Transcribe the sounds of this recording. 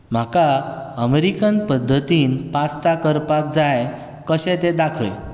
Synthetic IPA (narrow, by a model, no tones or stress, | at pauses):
m̤akaəmeɾikənpəd̪ʱːət̪iːnpat͡st̪akəɾpat̪̚d͡zaj | kəɕɛ̃t̪ed̪akʰəl